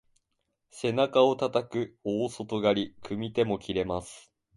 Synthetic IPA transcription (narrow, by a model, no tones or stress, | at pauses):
se̞nakao̞t̪at̪akɯ̟oːso̞t̪o̞ɡaɾʲikɯ̟mʲit̪e̞mo̞kʲiɾe̞masɨ̥